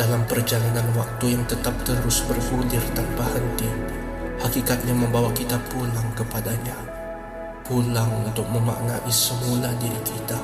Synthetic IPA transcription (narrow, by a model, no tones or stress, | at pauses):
dalampərd͡ʒalananwak̚t̪ujaŋt̪ət̪ap̚t̪əɾʊsbərhulɪrt̪anpahənt̪i | hakikat̪̚ɲaməmbawakit̪apulaŋkəpadaɲa | pulaŋunt̪ʊk̚məma̰ʔnaʔisəmuladiɾikʰit̪a